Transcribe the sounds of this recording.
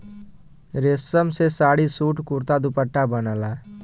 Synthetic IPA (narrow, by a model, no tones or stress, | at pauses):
ɾesəmsesaːɽisuːʈkuɾt̪ad̪upəʈːabənəlaː